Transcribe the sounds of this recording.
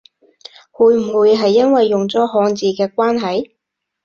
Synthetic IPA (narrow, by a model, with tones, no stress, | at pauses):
huː˨˧jm̩˨˩wuː˨˧jɦɐ˨jːɐ˥nwɐ˨jːʊ˨ŋt͡sɔː˨˥ɦɔː˨˧ŋt͡siː˨˧kɛː˧kwaː˥nɦɐ˨j